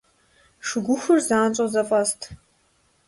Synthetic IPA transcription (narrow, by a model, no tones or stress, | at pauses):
ʂɨɡʷʊxʷʊrzaːnt͡ʃʼɔzɐfʼɐstʰ